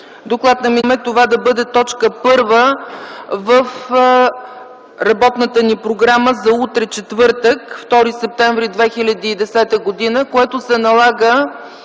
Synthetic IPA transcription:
d̪oklˠat̪nɐmimɛt̪ovad̪ɐbɤd̪ɛt̪ɔt͡ʃkəpɤɾvə | vəf | ɾɐbɔt̪nət̪ənipɾoɡɾaməzɐut̪ɾɛt͡ʃɛt̪vɤɾt̪əkft̪ɔɾisɛp̚t̪ɛɱvɾid̪vɛxilʲɐd̪iːd̪ɛsɛt̪əɡod̪inəkoɛt̪ʊsɛnɐlˠaɡə

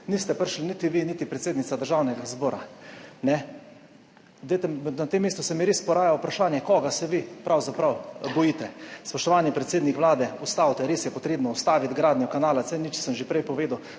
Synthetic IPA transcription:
nist̪ɛpəɾʃlinit̪iʋinit̪ipɾɛt̪seːd̪nit̪ad̪əɾʒaːwnɛɡazbɔːɾa̰nɛ | d̪et̪ɛmnat̪emːeːst̪usɛmiɾeːspɔɾaːjaupɾaʃaːnjɛkɔɡasɛʋipɾawzapɾawbɔjiːt̪ɛspɔʃt̪ɔʋaːnipɾɛt̪seːd̪nikʋlaːd̪ɛust̪awt̪ɛɾeːsjɛpɔt̪ɾeːbnɔust̪aːʋit̪ɡɾaːd̪njukanaːlat̪sɛnit͡ʃi̥səmʒepɾɛjpɔʋeːd̪əw

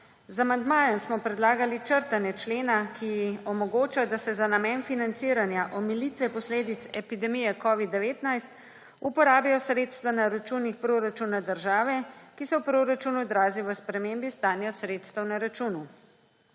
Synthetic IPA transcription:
zamand̪maːjɛnsmɔpɾɛd̪laːɡalit͡ʃəɾt̪anjɛt͡ʃleːnakʰiɔmɔɡoːt͡ʃad̪asɛzanamɛːnfinant̪siːɾanjaʔɔmilit̪ʋɛpɔsleːd̪it̪sɛpid̪ɛmijɛkɔːʋid̪ːɛʋeːt̪najst̪ | upɔɾaːbijɔsɾeːt̪st̪ʋanaɾat͡ʃuːnixpɾoːɾat͡ʃunad̪əɾʒaːʋɛkisɔwpɾoɾat͡ʃunud̪ɾaːziʋəspɾɛmeːmbist̪aːnjasɾeːt̪st̪əwnaɾat͡ʃuːnu

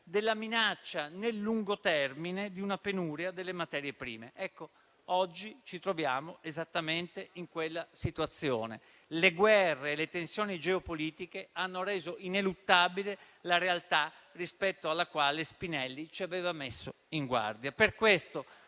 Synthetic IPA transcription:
d̪elːaminat͡ʃːanelːuŋɡot̪ɛrmined̪iunapenuːɾjad̪elːemat̪ɛːɾjepɾḭːmeʔɛkːo | ɔd͡ʒːit͡ʃit̪ɾovjaːmoezat̪ːament̪eiŋkwelːasit̪uat̪sːjoːnḛ | leɡwɛrːeːlet̪ensjoːnid͡ʒeopoliːt̪ikeanːoɾeːzoʔinelut̪ːaːbile | laɾealt̪a | rispɛt̪ːoalːakwaːlespinɛlːit͡ʃiaveːvamesːo | iŋɡwa̰rd̪japerkwest̪o

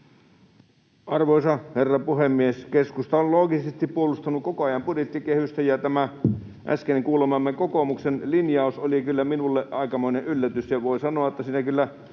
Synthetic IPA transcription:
ɑrʋoisɑherːɑpuhemːieskeskust̪ɑolloːɡisest̪ippuolust̪ɑnukkokoɑjɑmpudjet̪ːikehyst̪æjɑt̪æmæ | ʔæ̰skeneŋkuːlemɑmːekokomuksenlinjɑusolikylːæminulːeʔɑikɑmoineʔʔylːæt̪ysjɑʋoisɑnoɑt̪ːæsiːnækylːæ

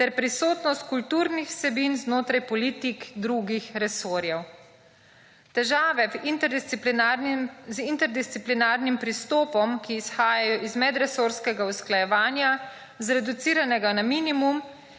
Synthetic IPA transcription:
t̪ɛɾpɾisoːt̪nɔst̪̚kult̪uːɾnixsɛbinznoːt̪ɾajpɔliːt̪ikd̪ɾuɡixɾɛsoːɾjɛw | t̪ɛʒaːʋɛvint̪pmzint̪ɛɾd̪ist̪siplinaːɾnimpɾist̪oːpɔmkiːsxaːjajɔʔizmɛd̪ɾɛsoːɾskɛɡausklajɛʋaːnja | zɾɛd̪ut̪siːɾanɛɡanamiːnimum

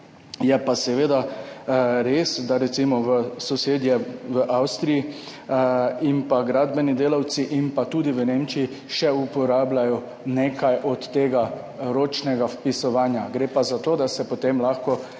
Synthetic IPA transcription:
jɛpasɛʋeːd̪a | ɾeːsd̪aɾɛt̪simɔʋəsɔseːd̪jɛʋəʔawst̪ɾiji | impaɡɾaːd̪bɛnid̪eːlawt̪siʔimpat̪uːd̪iʋəneːmt͡ʃii | ʃɛupɔɾaːblajɔ | neːkʰajʔɔt̪ːeːɡa | ɾoːt͡ʃnɛɡafpisɔʋaːnjaɡɾeːpazat̪oːd̪asɛpɔt̪emlaxkɔ

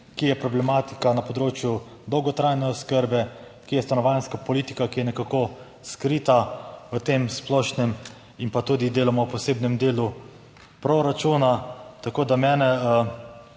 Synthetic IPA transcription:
kijɛpɾɔblɛmat̪i̥kanapɔd̪ɾoːt͡ʃju | d̪ɔwɡɔt̪ɾajnɛɔskəɾbɛ | kijɛst̪anɔʋanskapɔlit̪i̥kakijɛnɛkako | skɾit̪aʋət̪emsplɔʃnɛm | inpat̪uːd̪id̪eːlamɔwpɔseːbnɛmd̪eːlu | pɾoɾat͡ʃuːnat̪akoːd̪amɛːnɛə

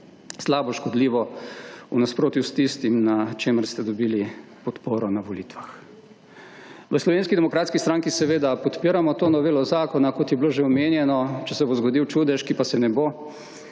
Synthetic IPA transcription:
slaːbɔʃkɔd̪liːʋɔunaspɾoːt̪just̪ist̪imnat͡ʃeːməɾst̪ɛd̪ɔbiːli | pɔt̪poːɾɔnaʋoliːt̪ʋax | ʋəslɔʋeːnskid̪ɛmɔkɾaːt̪skist̪ɾaːŋkisɛʋeːd̪apɔt̪piːɾamɔt̪oːnɔʋeːlɔzaːkɔnakot̪jɛbloːʒeɔmeːnjɛnɔt͡ʃɛsɛbozɡod̪iwt͡ʃuːd̪ɛʃkipasɛnɛbo

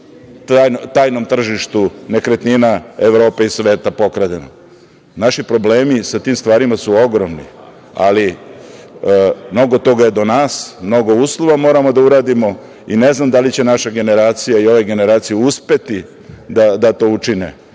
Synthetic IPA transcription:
aːjnot̪aːjno̞mt̪r̩ʒiʃt̪une̞kɾet̪ninaeʋɾo̞ːpeisʋe̞ːt̪apo̞kɾad̪eno̰ | naʃipɾo̞ble̞ːmisat̪iːmst̪ʋaːɾimasuo̞ɡɾo̞mnḭ | a̰li | mno̞ɡo̞t̪o̞ɡaje̞d̪o̞naːsmno̞ɡo̞uːslˠoʋamo̞ːɾamod̪auɾaːd̪imo̞ | ine̞znamd̪alit͡ɕe̞naʃaɡe̞ne̞ɾaːt̪sijaio̞ʋeɡe̞ne̞ɾaːt̪sijeuspe̞t̪i | d̪ad̪at̪o̞ut͡ʃinḛ

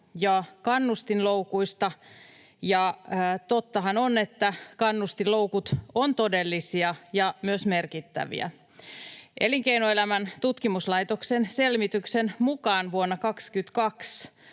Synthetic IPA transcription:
jɑkɑnːust̪inloukuist̪ɑ | jɑːt̪ot̪ːɑɦɑnone̞t̪ːækɑnːust̪ilo̞ukut̪ont̪odelːisiɑjɑmyøsme̞rkit̪ːæ̰ʋḭæ̰ | ʔeliŋkeinoelæmænt̪ut̪kimuslɑjt̪oksense̞lmit̪yksenmukɑːnʋuonːɑkɑkskyt̪kɑks

